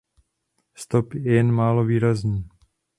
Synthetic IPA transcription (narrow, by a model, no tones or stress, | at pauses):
st̪ɔpɛɛɛnmaːloviːɾazɲiː